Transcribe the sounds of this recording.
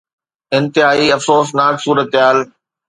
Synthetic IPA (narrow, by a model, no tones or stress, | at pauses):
ɪ̃nt̪ɪɦaːiɐfsoːsnaːksuːɾət̪ɪɦaːl